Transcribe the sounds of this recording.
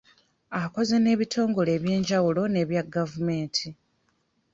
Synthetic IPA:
ako̞ze̞ne̞ːβitʰo̞ːŋɡo̞le̞ːβje̞ːɲɟawulo̞ne̞ːβjaɡavume̞ːntʰi

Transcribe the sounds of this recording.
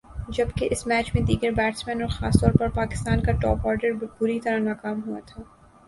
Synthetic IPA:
d͡ʒɐbkeʔɪsmɛːt͡ʃmẽd̪iːɡəɾbɛːʈsmɛ̃ːnɔːɾxa̰ːst̪ɔːɾpɐɾpaːkɪ̥st̪aːnkaʈɔ̰ːpɔːɾɖəɾbʊɾit̪ɐɾanaːkaːmɦua̰t̪ʰaː

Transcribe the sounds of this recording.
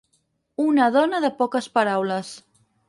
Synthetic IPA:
unəðɔnəðəpɔkəspəɾawləs

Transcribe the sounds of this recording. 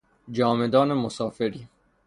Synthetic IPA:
d͡ʒɒːme̞d̪ɒːne̞mosɒːfeɾiː

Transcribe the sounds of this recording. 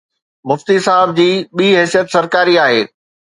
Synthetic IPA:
mʊft̪isaɦəb̚d͡ʑiːɓiːɦɛːsijət̪sɐɾkaːɾiaːɦḛː

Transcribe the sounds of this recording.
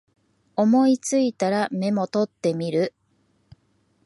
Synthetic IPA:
o̞mo̞it͡sɨit̪aɾame̞mo̞t̪o̞t̪ːe̞mʲiɾɯ̟

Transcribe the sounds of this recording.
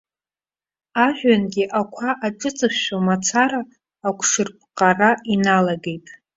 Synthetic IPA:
aʒᶣanɡʲiʔakʷʰaʔaʈ͡ʂʼɨt͡sʼɨχʃamat͡sʰaɾaː | kʷʰʂɨrp̚ʰʼqʼarainalaɡe̞jtʼ

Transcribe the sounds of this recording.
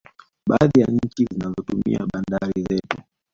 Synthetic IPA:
ɓaaðijaɲ̩t͡ʃizinazɔtumiaɓandaɾizɛtu

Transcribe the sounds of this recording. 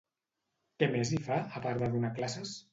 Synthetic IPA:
kemezifaəpaɾd̪əðunaklases

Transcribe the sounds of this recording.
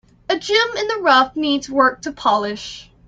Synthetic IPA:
ɨd͡ʒɪ̃mɨ̃nðɨɹʌfnidzwɜ˞k̚tʰɨpʰɑlˠɪʃ

